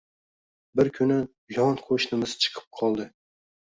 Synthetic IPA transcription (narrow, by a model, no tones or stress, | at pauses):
bɪɾkʲʰʊnɪ | jɒnqʰoʃnɪmɪz̥t͡ʃʰɨ̥qʰɨ̥p̚qʰɒlˠd̪ɪ